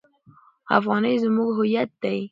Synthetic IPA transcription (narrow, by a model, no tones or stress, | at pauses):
a̰fɣɑnəjzmuɡɦʊjat̪̚d̪aj